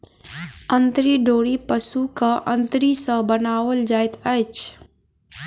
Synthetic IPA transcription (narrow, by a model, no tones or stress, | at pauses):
ə̃nt̪ɾiɖoːɽipəsukaʔə̃nt̪ɾisə̃bənaːwəld͡ʒaːɪt̪ɐt͡ʃ